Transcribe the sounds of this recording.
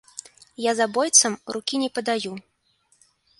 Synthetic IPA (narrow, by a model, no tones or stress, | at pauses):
jazabɔjt̪sɐmrukʲinʲɛpɐd̪aju